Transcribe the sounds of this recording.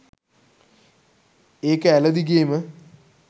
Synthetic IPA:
eːkːəælɐd̪iɡeːmə

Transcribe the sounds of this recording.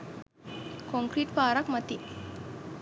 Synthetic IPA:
kɔŋkɾiːʈpaːɾakmət̪i

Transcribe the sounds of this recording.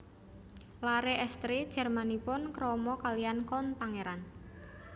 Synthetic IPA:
laɾeʔɛst̪ɾid̥ʒ̥ɛ̤rmanipʊnkɾɔmɔkalijankɔnpaŋeɾan

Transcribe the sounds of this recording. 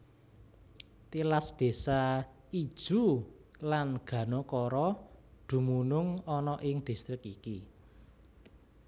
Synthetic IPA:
t̪ilasd̪̥e̤sa | id̥ʒ̥ṳ | lanɡ̥ä̤nokɔɾɔd̪̥ṳmunʊŋɔnɔʔɪŋd̪̥i̤st̪ɾɪkiki

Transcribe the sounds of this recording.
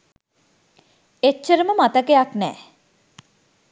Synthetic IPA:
et͡ʃːəɾəməmat̪əkejaknɛː

